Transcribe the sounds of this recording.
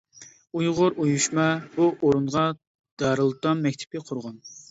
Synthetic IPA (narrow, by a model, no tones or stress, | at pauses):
ujʁʊɾujuʃmɑbuʔoɾunʁɑ | d̪̥ɑɾɨlˠt̪ɑmːɛk̚ʲt̪ʰɪ̥pɪqʰʊɾʁɑn